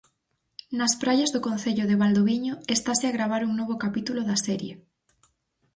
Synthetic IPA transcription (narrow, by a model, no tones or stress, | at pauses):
nɐspɾaʎazðʊkõn̟θeʎʊðeβald̪oβiɲoest̪aseaɣɾaβ̞aɾuŋnoβ̞okapit̪uloðasɛɾjḛ